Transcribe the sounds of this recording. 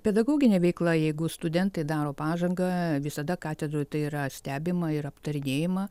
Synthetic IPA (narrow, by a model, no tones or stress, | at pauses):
pʲɛd̪ɐɡoːɡʲɪnʲeːʋʲɛɪklˠɐjɛɪɡʊst̪ʊd̪ʲɛnt̪ɐɪd̪ɑːɾoːpɑːʒɐŋɡɐʋʲɪsɐd̪ɐkɑːt̪ʲɛd̪ɾoːjt̪ɐɪiːɾɐsʲt̪ʲæːbʲɪmɐɪɾɐpt̪ɐɾʲɪnʲeːjɪmɐ